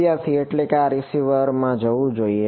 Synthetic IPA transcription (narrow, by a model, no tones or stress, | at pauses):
jat̪ʰieʈlekeaɾisiʋəɾmãd͡ʒəʋũd͡ʒoie